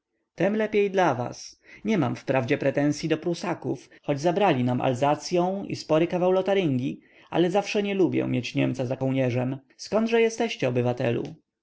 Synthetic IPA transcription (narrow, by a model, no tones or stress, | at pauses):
t̪ɛmlɛpʲjejd̪lava̰sɲɛmamfpɾavd͡ʑɛpɾɛt̪ɛ̃ñsʲjid̪ɔpɾusakuf | xɔd͡ʑzabɾalʲinamʔa̰lzat̪sʲjɔ̃w̃ḭspɔɾɘkavawlɔt̪aɾɘŋɡʲi | a̰lɛzafʂɛɲɛlubʲjɛ̰mjet͡ɕɲɛmt̪sazakɔwɲɛʐɛm | skɔnd̪ʐɛjɛst̪ɛɕt͡ɕɛɔbɘvat̪ɛ̰lṵ